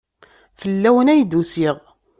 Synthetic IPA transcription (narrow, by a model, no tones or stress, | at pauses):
fəlːæwənæjd̪usiʁ